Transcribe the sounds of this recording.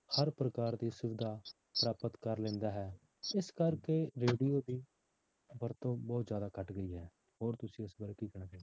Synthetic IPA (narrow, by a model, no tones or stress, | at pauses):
həɾpɾəkaːɾd̪iːsʊʋɪd̪aː | pɾaːpət̪kəɾlɛ̃ːnd̪aːɦɛː | ɪskəɾkeːɾeːɖijoːd̪iː | bəɾt̪õːbɔːt̪zjaːd̪aːkəʈɡəiːɦɛː | ɦoːɾt̪ʊsĩːɪsbəɾkiːkəɽãːkɛː